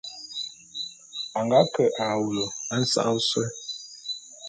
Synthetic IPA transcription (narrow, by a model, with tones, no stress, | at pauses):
a˨ŋɡa˨˦kə˨ʔa˨wu˨lo˨a˦n̩˦sa̰˦ʔsɛ˦